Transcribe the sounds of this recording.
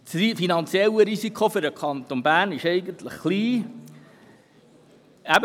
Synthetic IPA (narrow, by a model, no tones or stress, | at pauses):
sifinɑnt͡sjɛlːəɾisikʰofʏɾəkʰɑnt̪onbæːnɪʃɛɪɡəntlə̰χχliː | æb